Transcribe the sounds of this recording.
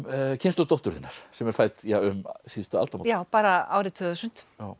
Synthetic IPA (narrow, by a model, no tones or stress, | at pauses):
cʰɪnt̪ɔt̪ɔht̪ʏɾ̥θɪnːaɾ̥sɛmɛɾ̥faːjt̪jaʏmsist̪ʏa̰lt̪amajaːwpaːɾaa̰ːwɾɪt̪ʰœðʏsʏn̥t̪jaw